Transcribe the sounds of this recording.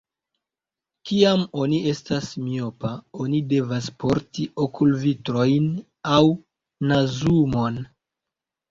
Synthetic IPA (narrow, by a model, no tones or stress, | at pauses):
kiamo̞nie̞stasmio̞pao̞nide̞vaspo̞ɾtiʔokʰulvitɾo̞jn | aw | nazumo̞n